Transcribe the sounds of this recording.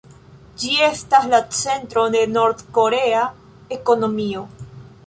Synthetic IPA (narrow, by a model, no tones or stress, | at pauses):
d͡ʒiest̪aslat͡sent̪ɾoðenoɾt̪koɾea | ekonomio